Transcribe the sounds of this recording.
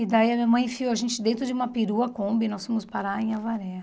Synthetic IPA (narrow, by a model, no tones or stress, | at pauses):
ɪd̪aiɐmĩɐmɐ̃j̃fioɐʒẽnt͡ʃɪd̪ẽnt̪ɾʊd͡ʒɪũmɐpiɾuɐkõbɪnɔsfõmʊspaɾaẽj̃avaɾɛ